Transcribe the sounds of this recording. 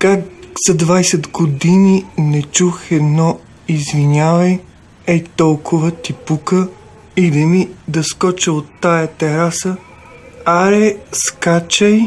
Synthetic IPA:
kakz̥ɐd̪vajsɛd̪ɡod̪ininɛt͡ʃuxɛd̪nɔ | izvinʲavɐj | ɛt̪ɔlˠkʰʊvət̪ipukə | id̪ɐmid̪ɐskɔt͡ʃəot̪ːajɐt̪ɛɾasə | aɾɛskat͡ʃɐj

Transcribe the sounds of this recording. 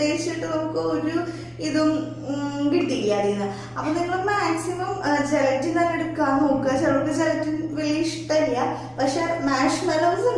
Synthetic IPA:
eːɕit͡ɕːiʈːɨnomukːɨoɾu | iðum | ɡiʈːikijaːɾinːɐ | ɐpːoːniŋːɐɭmaːksimɐmd͡ʑeɣɐtːinaːneɽukːaːmoːkːɐd͡ʑeɾuʈːɨd͡ʑeɣɐtːunʋiliːʂt̪ɐlija | pɐkʂemaːʂmɐlɐʋsɐ

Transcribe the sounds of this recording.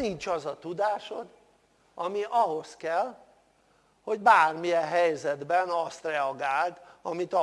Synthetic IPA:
int͡ʃɒzɒt̪ud̪aːʃod̪ | ɒmiʔɒɦo̞skɛl | ho̞ɟbaːrmijɛnɦɛjzɛd̪bɛnɒst̪rɛɒɡaːlt̪ɒmit̪

